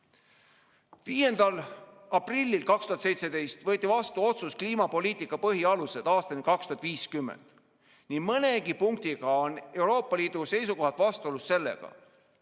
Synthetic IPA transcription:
viːje̞nd̪̥ɑl | ɑprilʲːilkɑkst̪uhɑt̪se̞jt̪se̞d̪e̞jst̪vɤːt̪ːˑivɑst̪uo̞t̪suskliːmɑpo̞lʲiːt̪ˑikːˑɑpɤɦiɑluse̞d̪̥ɑːst̪ɑnikɑkst̪uɦɑt̪viːskymːḛnd̪̥ | nimɤne̞ɡipuŋkt̪iɡ̥ɑo̞ne̞wɾo̞ːpːˑɑliːd̪̥use̞jsuko̞ɦɑt̪ˑvɑst̪uolusse̞lːe̞̰ɡ̥ɑ̰

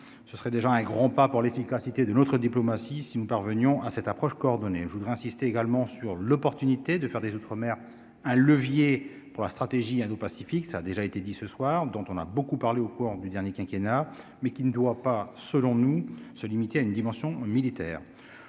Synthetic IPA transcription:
səsəχɛd̪eʒaɛ̃ɡʁɑ̃papuʁlefikasit̪ed̪ənɔt̪χəd̪iplɔmasisinupaʁvənjɔ̃ʔasɛt̪apχɔʃkɔːʁd̪ɔneʒəvud̪ʁɛɛ̃sist̪eeɡalmɑ̃syʁlɔpɔʁt̪ynit̪ed̪əfɛʁd̪ezut̪χəmɛʁ | ɛ̃ləvje | puʁlast̪χat̪eʒiɛ̃d̪opasifiksaːd̪eʒaet̪ed̪isəswaːʁd̪ɔ̃t̪ɔ̃na̰bokupaʁleokuʁd̪yd̪ɛʁnjekʲɛ̃kʲena | mɛkʲinəd̪wapasəlɔ̃nusəlimit̪eaynd̪imɑ̃sjɔ̃milit̪ɛːʁ

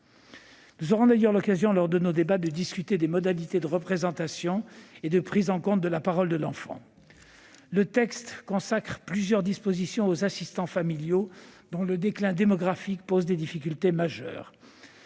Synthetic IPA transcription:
nuzɔʁɔ̃d̪ajœʁlɔkazjɔ̃lɔʁd̪ənod̪ebad̪əd̪iskʲyt̪ed̪emɔd̪alit̪ed̪əʁəpχezɑ̃t̪asjɔ̃ed̪əpχizɑ̃kɔ̃t̪̚d̪əlapaʁɔld̪əlɑ̃fɑ̰̃ | lət̪ɛkst̪kɔ̃sakχplyzjœʁd̪ispozisjɔ̃ozasist̪ɑ̃familjod̪ɔ̃ləd̪eklɛ̃d̪emɔɡʁafikpozd̪ed̪ifikʲylt̪emaʒœ̰ːʁ

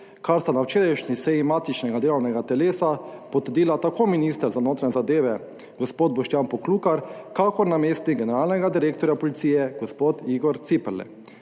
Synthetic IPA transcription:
kaɾst̪anawt͡ʃeːɾajʃnisɛjimaːt̪it͡ʃnɛɡad̪eːlɔwnɛɡat̪ɛleːsapɔt̪əɾd̪iːlat̪akʰoːminist̪əɾzanoːt̪ɾanʲɛzad̪eːʋɛ | ɡospoːd̪̚bɔʃt̪janpɔkluːkaɾkakɔɾnameːst̪niɡɛnɛɾaːlnɛɡad̪iɾeːkt̪ɔɾjapɔlit̪sijɛɡospoːt̪iɡɔɾt̪sipɛɾlɛ̰

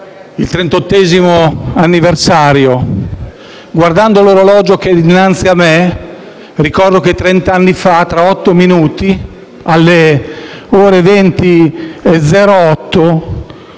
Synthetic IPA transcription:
ilt̪ɾent̪ot̪ːɛːzimoanːiversaːɾjo | ɡward̪and̪oloɾolɔːd͡ʒoked̪inːant̪siamːe | rikɔrd̪oket̪ːɾɛnt̪anːifat̪ːɾaɔt̪ːominuːt̪i | alːe | ɔːɾevent̪ied̪zɛːɾoɔt̪ːo

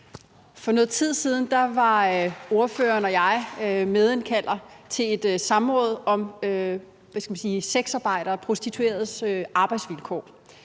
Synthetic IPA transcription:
fɒ̽nɔ̽ːð̩ˠt͡sʰið̞̰ˠsiːð̞ˠn̩d̥ɑ̈ʋɑ̈o̝ɐfø̰ːɐnɒ̽jɑ̈ɪmeð̞ˠenkʰæl̰ɐt͡sʰe̝e̝d̥sɑ̈mʁɔ̽ːð̞ˠɒ̽mø | ʋæsɡ̥æmænsiːseɡ̥sɑ̈ːb̥ɑ̈ɪ̰d̥ɾɐːpʰʁo̝sd̥it͡sʰue̝̰ɐðˠsøʔɑ̈ːb̥ɑ̈ɪd̥sʋilkʰɔ̰ː

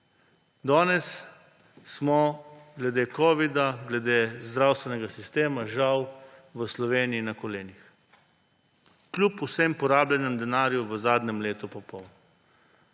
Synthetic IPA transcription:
d̪ɔːnɛsː | mɔɡlɛd̪eːkɔːʋid̪aɡlɛd̪eːzd̪ɾaːwst̪ʋɛnɛɡasist̪eːmaʒawʋəslɔʋeːniinakɔleːnix | klʲupusempɔɾaːblʲɛnɛmd̪ɛnaːɾjuʋəzaːd̪nʲɛmleːt̪upɔpɔwnɔ

